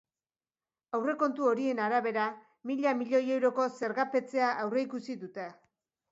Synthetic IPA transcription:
awre̞ko̞nt̪uo̞ɾie̞naɾaβe̞ɾa | miʎamiʎo̞je̞wɾo̞ko̞se̞ɾɣape̞t͡se̞aʔawre̞ikusiðut̪e

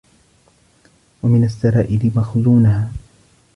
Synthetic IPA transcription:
wamɪnasːaɾaːʔɪlɪmaxzuːnahaː

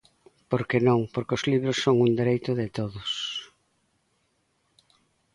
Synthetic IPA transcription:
poɾkenõŋpoɾkozliβ̞ɾʊsːoŋund̪eɾejt̪ʊðɪt̪oðʊs

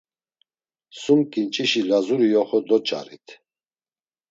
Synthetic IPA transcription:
sumkʼint͡ʃʼiʃilazuɾijɔχɔd̪ɔt͡ʃʼa̰ɾḭt̪ʰ

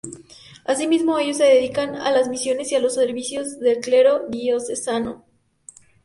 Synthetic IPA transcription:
asimizmo̞e̞ʝo̞s̬ːe̞ðeðikana̰lazmisjo̞ne̞sialo̞sːeɾβisjo̞zðe̞lkle̞ɾo̞ðiosesano

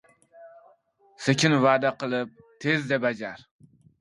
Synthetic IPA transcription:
sekʲʰɪnvaːd̪aqʰɨlˠɪp̚ | t̪ʰezd̪abad͡ʒaɾ

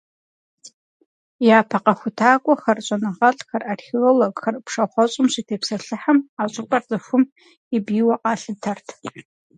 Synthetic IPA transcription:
jaːpʰɐqɐxʷʊtʰaːkʷʼɔxɐrɕʷʼɐnɨʁɐɬʼxɐrʔarxɪɣɐlɐɡxɐrpʰʂɐχʷɔɕʷʼɪmɕitʰeːpsɐɬɨħamaːt͡ʃʼʊpʼɐrzʼɨfʷʊm | ibiːwɐqʼɑːɬɨtʰɐrtʰ

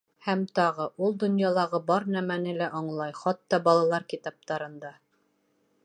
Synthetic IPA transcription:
hæmt̪ɑʁɤʔulˠd̪ŏnjɑlˠɑʁɤbɑɾnæmænɘlæʔɑɴlˠɑjχɑt̪ːɑbɑlˠɑlˠɑɾkit̪ɑp̚t̪ɑɾɤ̆nd̪ɑ

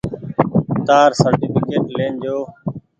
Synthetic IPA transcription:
t̪aːɾsəɾʈiːfɪkeːʈleːnd͡ʒoː

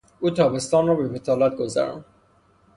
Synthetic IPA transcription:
uːt̪ʰɒːbe̞st̪ɒːnrɒːbebet̪ʰɒːlæt̪̚ɡozæ̰ɾɒ̰n

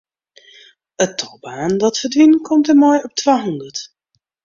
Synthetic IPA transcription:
ətʰːɔbaːndɔtfərdʋinkʰɔmtəmɔjɔp̚tʰʋaːɦɔndət

